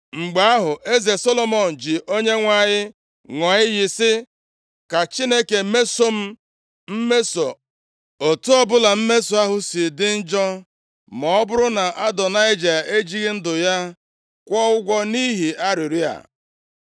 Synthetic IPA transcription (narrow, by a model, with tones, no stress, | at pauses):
ŋ͡m̩˨ɡ͡ba˨a˦ɦʊ˨ʔe˦ze˨sɔ˦lɔ˦mɔ˨n̩˨d͡ʒɪ˨ʔo˦ɲe˦ŋʷa˦˨ɲɪ˦ | ŋɔ˨ɲɪ˦ɣɪ˨sɪ˦ | ka˨t͡ʃi˦ne˦ke˨˦me˦so˦m̩˦ | m̩˦me˦so˨ | o˨tu˦ɔ˦bʊ˦la˨m̩˦me˦so˨a˦ɦʊ˦sɪ˨dɪ˦n̩˦d͡ʒɔ˦ | mɔ˨ɔ˦bʊ˦ɾʊ˦na˨ʔa˦dɔ˨na˦ɪ˦d͡ʒa˨e˦d͡ʒi˦ɣi˦n̩˦dʊ˨ja˦ | kʷɔ˦ʊ˦ɡʷɔ˦ni˦ɦi˨ʔa˦ɾɪ˨ɾi˦a̰˨